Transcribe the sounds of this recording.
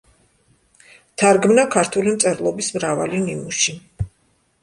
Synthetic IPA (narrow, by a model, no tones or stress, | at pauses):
t̪ʰaɾɡmnakʰaɾt̪ʰulimt̪sʼɛɾlˠɔbismɾava̰linimuʃi